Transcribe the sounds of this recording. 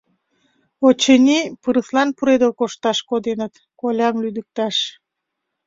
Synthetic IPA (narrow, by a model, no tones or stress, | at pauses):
ot͡ɕənʲipəɾəslɑnpuɾed̪əlkoʃt̪ɑʃkod̪enət̪ | kolʲɑmlyd̪ək̚t̪ɑʃ